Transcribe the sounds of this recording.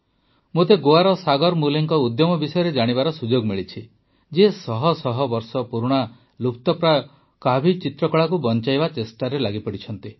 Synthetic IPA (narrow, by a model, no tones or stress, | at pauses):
mot̪eɡoaɾɔsaɡɔɾmuliŋkɔud̪jɔmɔbisɔjɔɾed͡ʒaɽ̃ibaɾɔsud͡ʒoɡmiɭit͡ʃʰi | d͡ʒesɔɦɔsɔɦɔbɔɾsɔpuɾuɽ̃a | lup̚ʰt̪ɔpɾa | kabʱit͡ʃit̪ɾɔkɔɭakubɔnt͡ʃajbat͡ʃesʈaɾelaɡipɔɽit͡ʃʰɔnt̪i